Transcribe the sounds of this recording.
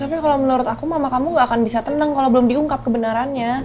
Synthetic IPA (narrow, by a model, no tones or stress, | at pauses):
t̪apikalamənuɾʊt̪akumamakamuŋɡaːkanbisat̪ənəŋkalabəlʊmdiuŋkap̚kəbənaɾanɲa